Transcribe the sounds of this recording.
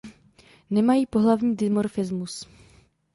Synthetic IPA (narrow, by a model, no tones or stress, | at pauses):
nɛmajiːpo̞ɦlavɲiːdɪmoɾfɪzmus